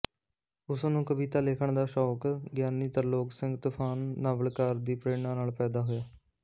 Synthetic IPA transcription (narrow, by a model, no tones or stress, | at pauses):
ʊsnũːkəbiːt̪aːleːkʰəɳd̪aːʃɔːkɡjaːniːt̪əɾloːksɪ̃ŋɡt̪ʊpʰaːnːaːʋəlkaːɾd̪iːpɾeːɳãːnaːlpɛːd̪aːɦoːjaː